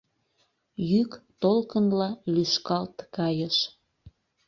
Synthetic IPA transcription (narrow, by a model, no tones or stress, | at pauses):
jykt̪olkənlɑlyʃkɑlt̪kɑjəʃ